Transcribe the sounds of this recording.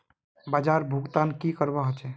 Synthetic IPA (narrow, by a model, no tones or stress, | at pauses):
baːd͡ʒaːɾbʱuɡt̪ankikəɾbaɦət͡ʃe